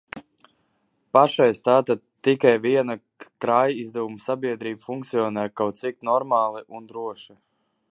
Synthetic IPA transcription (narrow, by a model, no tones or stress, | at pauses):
paʃajst̪aːt̪ad̪t̪ːikajviɛna | kɾajizd̪ɛvumsabiɛd̪ɾiːbfuŋkt̪sijɔːnɛːkawt̪t̪sik̚nɔɾmaːlˠiʔund̪ɾuɔʃi